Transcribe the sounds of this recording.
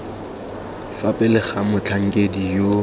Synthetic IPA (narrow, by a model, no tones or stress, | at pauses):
fapʼɛlɪχamʊt͡ɬʰaŋ̩kʼedijo